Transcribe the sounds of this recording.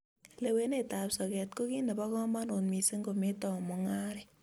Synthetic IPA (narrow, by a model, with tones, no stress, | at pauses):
le˨we˦neta˨psɔ˨kɛtko˦ki˦ne˨bɔ˦kɔ˦ma˦no˨nmi˨se˦ŋɡo˨me˦tɔ˨mɔ˨ŋa˦ɾi˨